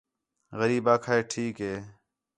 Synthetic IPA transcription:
ɣəɾiːbaːkʰaːeːʈʰiːkɦeː

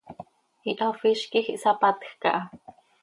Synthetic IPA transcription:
iʔafiʃkixiʔsapat̪xka̰ʔa

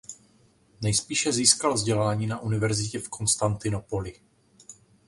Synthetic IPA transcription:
nɛjspiːʃɛziːskalvzɟɛlaːɲiːnaʔunɪvɛɾzɪcɛfko̞nst̪ant̪ɪno̞po̞lɪ

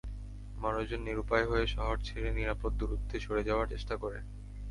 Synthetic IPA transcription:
mɔɾod͡ʑonːiɾupajɦoeʃɔɦoɾt͡ɕʰeleniɾapot̪̚d̪uɾud̪ʱːeʃoɽed͡ʑaoaɾt͡ɕeʃʈakoɾḛ

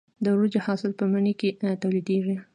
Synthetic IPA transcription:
d̪əɾud͡ʒehɑsɪlpəmaɳiket̪awlid̪eʐi

